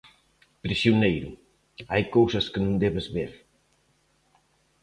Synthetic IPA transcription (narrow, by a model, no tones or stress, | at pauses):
pɾisjunejɾʊ | ajkowsɐskɪnõŋd̪ɛβɪzβeɾ